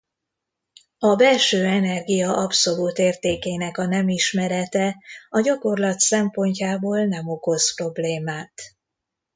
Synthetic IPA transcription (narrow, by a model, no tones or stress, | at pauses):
ɒbɛlʃøːɛnɛrɡijɒʔɒpso̞luːt̪eːrt̪eːkeːnɛkɒnɛmiʃmɛɾɛt̪ɛɒɟɒko̞rlɒt̪sɛmpo̞ɲcaːboːlnɛmo̞ko̞spro̞bleːmaːt̪